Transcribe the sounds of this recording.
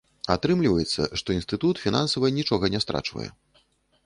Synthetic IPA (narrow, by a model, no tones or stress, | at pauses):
at̪ɾɨmlʲivɐjɛt̪sːɐ̰ʂt̪ɔinst̪ɨt̪ut̪fʲinansɐvɨnʲit͡ʂɔɣɐnʲɛst̪ɾa̰t͡ʂvɐ̰jɛ̰